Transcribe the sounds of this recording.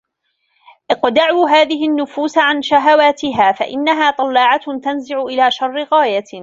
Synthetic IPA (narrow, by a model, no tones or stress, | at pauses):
ʔɪqd̪aʕuːɦaːðɪɦɪnːʊfuːsʕanʃaɦawaːt̪ɪɦaːfa̰ʔɪnːaɦaːt̪ˤɑlːɑːʕat̪anzɪʕʊʔɪlaːʃɑrˤːɪɣaːja